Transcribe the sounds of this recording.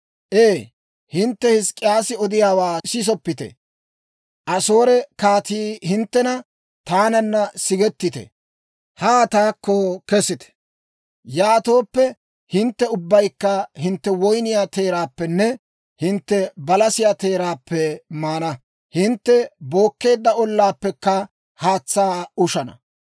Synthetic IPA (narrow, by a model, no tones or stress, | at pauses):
ʔeː | hɪnt̪ːɛhɪskʼːɪjaːsɪɔd̪ɪjaːwaːsɪs̬ɔpːɪt̪ɛ̰ | ʔɐso̞ːɾɛkaːt̪iːhɪnt̪ːɛnɐ | t̪aːnɐnːɐsɪɡɛt̪ːɪt̪ɛ̰ | haːt̪aːkːokɛsɪt̪ɛ̥ | jaːt̪o̞ːpːɛ | hɪnt̪ːɛʊbːɐjkːɐhɪnt̪ːɛwɔjnɪjaːt̪e̞ːɾaːpːɛnːɛ | hɪnt̪ːɛbɐlɐsɪjaːt̪e̞ːɾaːpːɛmaːnɐ | hɪnt̪ːɛbo̞ːkːe̞ːd̪ːɐɔlːaːpːɛkːɐ | haːt͡sːaːʊʃɐnɐ̰